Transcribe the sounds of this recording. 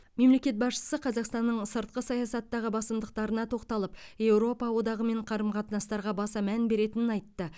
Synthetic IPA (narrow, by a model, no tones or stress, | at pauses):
me̞mle̞kʲe̞t̪̚bɑsʃə̥səqʰɑzɑqst̪ɑnːəɴsəɾt̪̚qəsɑjɑsɑt̪ːɑʁəbɑsəmd̪əq̚t̪ɑɾənɑt̪ʰo̞qt̪ɑlˠəpje̞wɾo̞pɑwo̞d̪ɑʁəme̞ɴqʰɑɾəmqʰɑt̪ənɑst̪ɑɾʁɑbɑsɑmænbe̞ɾe̞t̪ɪnɪnɑjt̪ːə